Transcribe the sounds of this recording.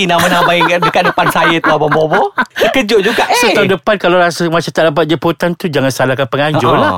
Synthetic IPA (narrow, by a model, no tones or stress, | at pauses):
inãmanãmajdəkaʔ̚dəpansajat̪uababobɔdakəd͡ʒʊʔd͡ʒuɡaʔsot̪adəpankalawɾasamãt͡ʃamt̪aʔdap̬at̪̚d͡ʒəput̪ant̪ud͡ʒaŋãnsalakanpəŋãɲd͡ʒɔlah